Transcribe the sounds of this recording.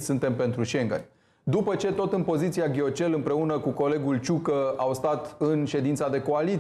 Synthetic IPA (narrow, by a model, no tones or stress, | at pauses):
sɨnt̪e̞mpe̞nt̪ɾuʃe̞ŋɡə̰nʲ | d̪upət͡ʃe̞t̪o̞t̪ɨnpo̞zit̪siaɡʲio̞t͡ʃe̞lɨmpɾe̞unəkuko̞le̞ɡult͡ʃukəawst̪at̪ɨnʃe̞d̪int̪sad̪e̞ko̞ali